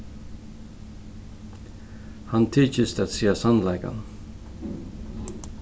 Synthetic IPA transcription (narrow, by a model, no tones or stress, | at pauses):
hɑnt̪ʰiːçəst̪əɑt̪siːəsɑnlæɪɡɑ̰n